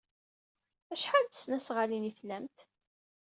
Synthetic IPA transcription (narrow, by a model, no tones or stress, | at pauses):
æʃħald̪ə̥snæsʁaliniθlæmt̪